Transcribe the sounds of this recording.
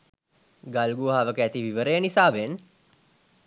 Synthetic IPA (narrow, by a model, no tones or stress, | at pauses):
ɡalɡuɦaʋəkəæt̪iʋiʋəɾəjənisaːʋen